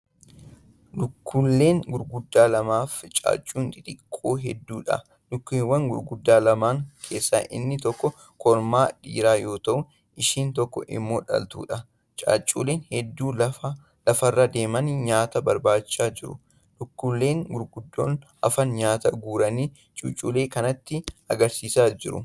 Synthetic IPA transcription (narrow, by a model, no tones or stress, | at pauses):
lʊkːʊlːe̞ːŋɡʊɾɡʊd̪ːaːlɐmaːft͡ʃʼa̰ːt͡ʃʼːuːnd̪ɪᶑɪkʼːoːɦɛd̪ːuːᶑɐ̰ | lʊkːiːwɐŋɡʊ̰ɾɡʊd̪ːaːlɐmaːŋkʰe̞ːsːaʔɪ̰nːɪt̪ɔkːɔ | kʰɔɾmaːᶑḭːɾaːjo̞ːt̪ɐʔʊ | ɪʃiːnt̪ɔkːɔ̰ʔɪ̰mːo̞ːᶑɐ̰lt̪ṵːᶑɐ | t͡ʃʼa̰ːt͡ʃʼːṵːleːnhɛd̪ːuːɐ | lɐfɐrːad̪e̞ːmɐnɲaːt̪ɐbɐɾbaːt͡ʃːaːd͡ʒɪɾʊ̰ | lʊkːʊlːe̞ːŋɡʊɾɡʊd̪ːo̰ːn | ɐ̰fɐnɲaːt̪ɐɡuːɾɐniː | t͡ʃʼʊ̰t͡ʃʼuːle̞ːkɐnɐt̪ːɪɐ̰ɡɐɾsiːsaːd͡ʒɪɾʊ̰